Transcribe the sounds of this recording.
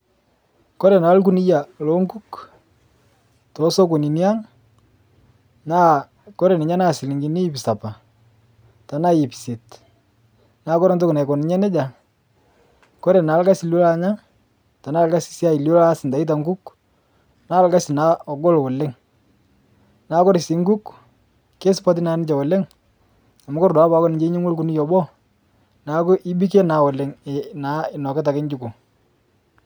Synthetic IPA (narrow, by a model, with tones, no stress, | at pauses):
kɔ˦ɾɛ˨na˨˦lku˦ni˦ja˨lɔ˦ŋɡu˦k | tɔ˨˦sɔ˦k̬o˨ni˨ni˦a˦ŋ | na˦ | kɔ˦ɾe˨nɪ˨ɲa˦na˦˨sɪ˨lɪ˨ŋɡi˨ni˦pi˨sa˨pa˨ | ta˨na˦˨jɪ˨pi̥˨se˨t | naː˦kɔ˦ɾɔ˦nto˦ku˨na˨jkɔ˨nɪ˨ɲɛ˦nɛ˦d͡ʒa˨ŋ | kɔ˦ɾɛ˨na˨˦lka˦sɪ˨lo˦la˦ɲa˦ŋ | ta˨na˦˨lka˦sɪ̥˨sa˦ɪ˨ljo˦la˦sɪ˨nda˨ɪ˦t̬a˨ŋɡu˦k | na˦˨lka˦sɪ˨na˨˦ɔ˨ɡo˦lwɔ˨le˦ŋ | naː˨˦kɔ˦ɾɪ˨si˨ŋɡu˦k | ke˦sʊ˦pɔ˦t̬ɪ˦naː˦nɪ˦t͡ʃɛ˨wɔ˨le˦ŋ | a˨mʊ˦kʊ˦ɾdɔ˨a˦pa˨˦kɔ˦nɪ˨ɲd͡ʒe˦ɲe˦ŋwo˦lku˦ni˦jɔ˨bɔ˦ | na˨˦kʊ˦ʔi˦bi˦ke˦na˨˦wɔ˨le˨˦ŋ˨na˨˦ɪ˨nɔ˨kɪ˦t̬a˨kɪ˦ɲd͡ʒu˦ku˨